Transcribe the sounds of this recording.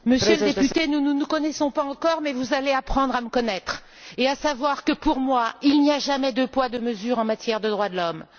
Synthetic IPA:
məsjøləd̪epyt̪enənənukɔnɛsɔ̃paɑ̃kɔʁmɛvuzaleapχɑ̃d̪ʁaməkɔnɛt̪χ | easavwaʁkəpuʁmwailniaʒamɛd̪øpwad̪əməzyːʁɑ̃mat̪jɛʁd̪əd̪ʁwad̪əlɔm

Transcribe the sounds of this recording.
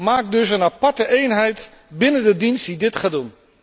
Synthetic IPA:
maːk̚dɵsənapɑɹtəʔejnɦɛjt | bɪnəndədinstidɪtχaːdun

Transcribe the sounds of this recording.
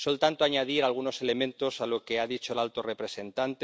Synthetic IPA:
so̞lt̪ant̪oaɲaðiɾalɣ̞uno̞se̞le̞mẽnt̪o̞salo̞ke̞aðit͡ʃo̞elalt̪o̞re̞pɾe̞se̞nt̪ant̪e

